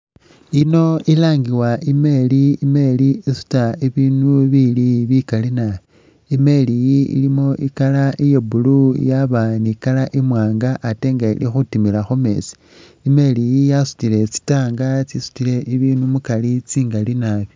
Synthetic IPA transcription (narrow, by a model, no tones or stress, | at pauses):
ino̞ilaːŋɡiwaʔime̞liime̞liisu̥taiβiːnuβiliβikalina | ime̞lijiḭlimo̞ʔikalaʔijebulujaβanikalaʔimwaːŋɡaʔːteːŋɡaḭlixutimilaxome̞̰si̥ | ime̞lijijasu̥tile̞t͡si̥taːŋɡat͡sisu̥tile̞ʔiβiːnumukalit͡siːŋɡalinaβjo